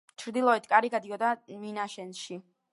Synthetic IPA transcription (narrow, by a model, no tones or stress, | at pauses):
t͡ʃʰɾd̪ilˠɔɛt̪ʰkʼaɾiɡad̪iɔd̪aminaʃɛnʃi